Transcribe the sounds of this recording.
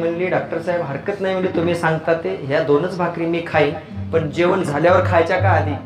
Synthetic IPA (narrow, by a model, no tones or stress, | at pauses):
məɳliːɖak̚ʈəɾsaɦebɦəɾkət̪najm̤əliːt̪um̤iːsãŋɡt̪at̪eɦjad̪onət͡sbʱakɾiːmiːkʰai | pəɳd͡ʑeʋəɳd͡zʱaljaʋəɾkʰajt͡ɕjakaaliː